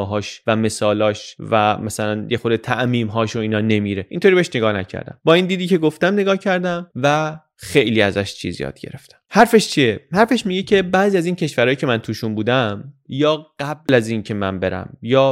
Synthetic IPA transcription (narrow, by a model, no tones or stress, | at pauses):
ɦɒːʃvæme̞sɒːlɒːʃvæmæsælænjexod̪et̪ʰæʔmiːmɦɒːʃoiːnɒːne̞miɾe̞ʔint̪ʰoɾibe̞eʃneɡɒːhnæ̰cʰæ̰ɾd̪æ̰mbɒːind̪iːd̪iːcʰe̞ɡo̞ft̪æmne̞ɡɒːhcʰæɾd̪æmvæ | xe̞jliːæzæʃt͡ʃʰḭzijɒ̰ːd̪̥̚ɟe̞̰ɾe̞̰ft̪æ̥mhæɾfe̞ʃt͡ʃʰiehæɾfe̞ʃmiɟecʰe̞bæːzijæziːncʰe̞ʃvæɾɒːjicʰe̞mænt̪ʰuːʃunbuːd̪æmjɒːɢ̥æblæziːncʰe̞mænbe̞ɾæ̰mjɒː